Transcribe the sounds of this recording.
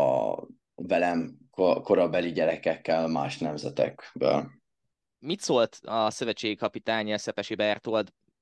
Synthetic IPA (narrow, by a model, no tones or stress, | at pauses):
ɒ̰ | vɛlɛmkoko̞ɾɒbɛliɟɛɾɛkɛkːɛlma̰ːʃnɛmzɛt̪ɛ̰kbø̰ːl | mit̪soːlt̪ɒsøvɛt͡ʃːeːɡikɒpit̪aːɲɛlsɛpɛʃibɛrt̪old̪